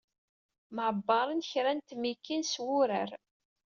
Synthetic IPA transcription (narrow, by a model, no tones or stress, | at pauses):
mʕbːɑɾˤənçɾænt̪mikːinswʊɾəɾ